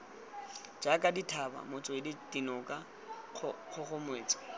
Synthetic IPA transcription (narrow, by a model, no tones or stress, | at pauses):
d͡ʒakʼaditʰaba̰mʊt͡sʼɔɪdid̥inɔkʼa | χʰʊχʊmweːt͡sʼɔ̥